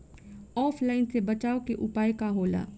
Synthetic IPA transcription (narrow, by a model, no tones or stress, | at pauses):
ɔːpʰlaːɪnsebɐt͡ʃaːokeʔʊpaːekaɦoːla̰ː